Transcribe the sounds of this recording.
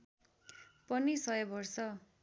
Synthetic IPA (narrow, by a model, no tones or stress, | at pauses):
pʌnisʌjʌbʌrsʌ